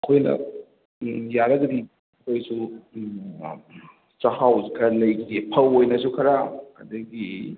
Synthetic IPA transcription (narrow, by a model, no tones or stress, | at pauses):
ɐkʰojnɐ̰ | jaɾɐɡɐd̪i | kʰojsu | t͡ʃɐhawzikʰɐlɐjkʰidepʰɐwojnɐs̬ukʰɐɾaɐ̰d̪ɐɡi